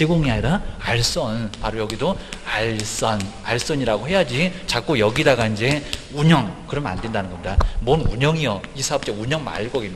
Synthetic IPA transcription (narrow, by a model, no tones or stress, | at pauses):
t͡ɕeɡoŋiaɲiɾaaɭs͈ʌnpaɾojʌɡidoaɭs͈ʌn | aɭs͈ʌɲiɾaɡoɦe̞jad͡ʑit͡ɕak͈ojʌɡidaɡaind͡ʑe̞uɲʌŋkɯɾʌmna̰nde̞ndanɯnŋɡʌmɲidamʌnuɲʌŋijʌisʰaʌp̚t͡ɕ͈euɲʌŋma̰ɭk͈ʌɡimi